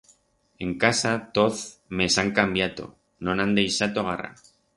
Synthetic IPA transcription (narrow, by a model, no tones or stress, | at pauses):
e̞ŋkasat̪oθme̞saŋkambjat̪o̞̰ | nonãnd̪ejsat̪oɣ̞ara̰